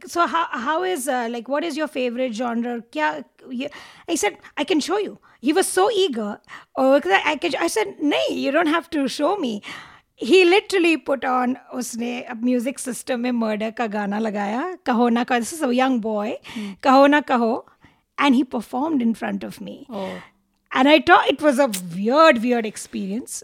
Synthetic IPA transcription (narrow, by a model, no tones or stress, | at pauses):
soɦaʊɦaʊɪzlaɪkʋɔʈɪzjɔɾfeːʋəɾɪʈ̚d͡ʒɔ̃ndɾəɾkja | jhiːsɛɖaɪkɛ̃nʃoːju | hiːʋɔz̥soːiːɡəɾɔkaʔaɪkɛ̃naɪsɛd̚neɪjudõːnʈɦæfʈuʃoːmi | ɦilɪʈəɾəlipʊʈɔ̃nʊsnemjuːzɪksɪsʈə̃mːẽməɾɖəɾkaɡaːnalɐɡaːjakɐɦonakɐd̪ɪsɪzəjʌ̃ŋbɔɪkɐɦonakɐɦo | ʔɛ̃nɖiːpəɾfɔːɾmɖɪ̃nfɾʌ̰̃ɳʈɔvmḭo | ʔɛ̃naɪt̪ʰɔːɪʈʋɔzəʋɪɾɖʋɪɹɖɛkspiːɾiə̃ns